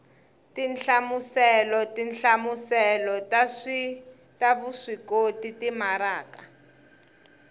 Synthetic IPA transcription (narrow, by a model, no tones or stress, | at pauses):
tinɬamusɛlɔtinɬamusɛlɔtaʂi | taβuʂikotitimaɾaːka